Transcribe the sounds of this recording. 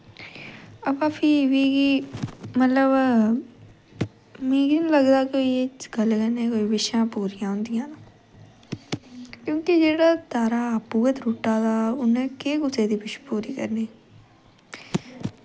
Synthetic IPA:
əbaːpʰiʋiːɡiːmət̪ləb | mĩːɡinləɡd̪aːkoiɡəlkəneːkoːibɪʃãːpuːɾɪjãːɦʊ̃nd̪ijãːna | kjõːkid͡ʒeːɽaːt̪aːɾaːpuːət̪ɾuʈːaːt̪aːʊnẽːkeːkʊseːd̪iːpɪʃpuːɾiːkə̰ɾneː

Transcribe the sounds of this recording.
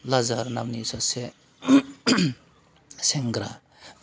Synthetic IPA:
lazaɾnamnisase | seŋɡɾa

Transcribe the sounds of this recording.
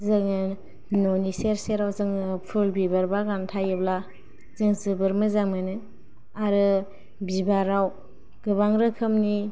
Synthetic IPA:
zɯŋɯ | noniseɾseɾawzɯŋpʰulbibaɾbaɡantʰajɯbla | zɯŋzɯbɯɾmɯzaŋmɯnɯ | aɾɯ | bibaɾaw | ɡ̥ɯbaŋɾɯkʰɯmni

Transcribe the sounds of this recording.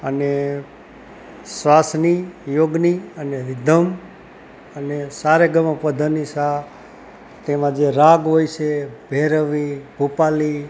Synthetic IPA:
əne | sʋasnijoɡniəneɾid̪ʱəm | ənesaɾeɡəməpəd̪ʱənisa | t̪emãd͡ʒeɾaɡɦojt͡ʃʰebʱeɾəʋibʱupali

